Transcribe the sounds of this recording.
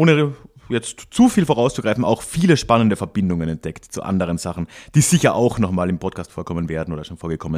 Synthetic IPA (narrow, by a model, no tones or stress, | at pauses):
ʔoːnə | jɛt͡stt͡sufiːlfoʁaʊst͡suɡ̥ʁaɪfn̩a̰ʊxfiːləʃpanəndəfɛɐbɪndʊŋənɛnt̚d̥ɛktt͡sṵʔa̰ndəʁ̞ənz̥aχn̩d̥iːz̥ɪçɐʔaʊxnɔχmaːlɪmpʰɔtkʰaːstfoːɐkʰɔmənveːɐdn̩ʔoːdɐʃoːnfoːɐɡəkʰɔmən